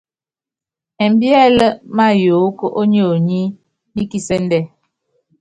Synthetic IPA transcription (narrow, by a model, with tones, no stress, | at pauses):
ɛ˨m˦bjɛ˦lə˦ma˦jo˨˦kə˦ʔo˦ɲi˦o˨ɲi˦ | ni˦ki˦˨sɛ˦n̩˦dɛ˦˨